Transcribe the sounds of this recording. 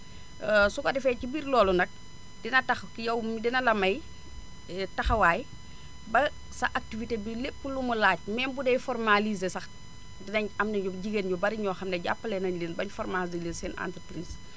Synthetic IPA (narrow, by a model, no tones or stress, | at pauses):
sukɔdɛfɛcibiːɾlɔːlundɐk̚ | dinɐtɐxkjɐwmidinɐlɐmɐj | ɛtɐxɐwaːj | bɐ | sɐʔak̚tivitebilepːulumulaːc̚mɛːnbudɛjfɔrmalizesɐx | dinɐɲɐmnɛɲɟubɟiɡeːnjɔbɐɾiɲɔːxɐmdɛɟa̰pːəlɛnɐɲleːnbɐɲfɔrmazileːnsɛnʔa̰ntɾpɾiːz